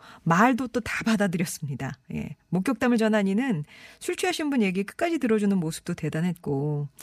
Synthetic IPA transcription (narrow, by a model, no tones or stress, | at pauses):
maɭdot͈otabadadɯɾjʌs͈ɯmɲidaje̞̰mok͈jʌk̚t͈amɯɭt͡ɕʌnɦaɲinɯnsʰuɭt͡ɕʰuɦaɕʰinbunje̞ɡik͈ɯ̥k͈ad͡ʑitɯɾʌd͡ʑunɯnmosʰɯ̥p̚t͈ote̞danɦe̞t̚k͈o